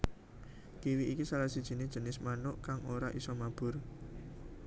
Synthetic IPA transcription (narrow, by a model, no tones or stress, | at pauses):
kiwiʔikisaɾasid̥ʒ̥ə̤nɪd̥ʒ̥ə̤nɪsmanʊʔkaŋoɾaʔisɔmab̥ʊ̤r